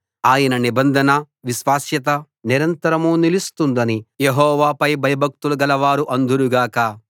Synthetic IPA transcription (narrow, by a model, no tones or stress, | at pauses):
aːjɐnɐnibɐnd̪ʱɐnɐ | ʋiʃʋaːsjɐt̪ɐ | niɾɐnt̪ɐɾɐmuːnilist̪und̪ɐnijeɦɔːʋaːpɐjbʱɐjɐbʱɐk̚t̪uluɡɐlɐʋaːɾuʔɐnd̪uɾuɡaːkɐ